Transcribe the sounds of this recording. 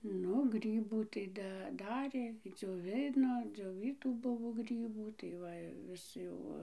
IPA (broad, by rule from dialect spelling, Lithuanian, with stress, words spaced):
ˈnʊ ˈɡrʲiːbuː tɐɪ ˈdɐ ˈdɑːrʲeː d͡zʲoːˈʋʲɪnoː d͡zʲoːˈʋʲiːtuː ˈbʊʋoː ˈɡrʲiːbuː tɐɪ ˈʋɐ ɪ ˈʋʲɪs jɛʊ ˈʋɐ